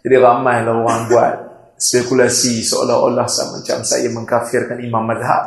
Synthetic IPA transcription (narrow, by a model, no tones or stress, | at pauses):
d͡ʒadiɣamajlaɣwanbuat̚ | spekulasisoa̰lahɔ̰lahsa̰mə̰ɲt͡ʃa̰msa̰jaməŋkafiɾkanimamːadɦa̰